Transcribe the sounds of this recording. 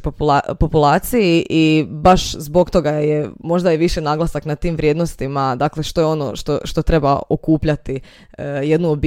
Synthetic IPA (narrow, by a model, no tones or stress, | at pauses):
papopulˠaːt̪sijiʔibaʃzbo̞kt̪o̞ɡajemo̞ʒd̪ajeʋiʃenaːɡlˠasaknat̪iːmʋɾʲje̞d̪no̞st̪imad̪akle̞ʃt̪o̞jeo̞no̰ʃt̪o̰ʃt̪o̞t̪ɾe̞ba̰okuːpʎat̪i | je̞d̪nuobi